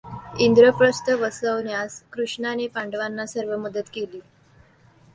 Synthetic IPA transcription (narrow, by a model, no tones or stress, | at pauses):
ind̪ɾəpɾəst̪əʋəsəʋnjaskɾuʂɳanepaɳɖəʋanːasəɾʋəməd̪ət̪keliː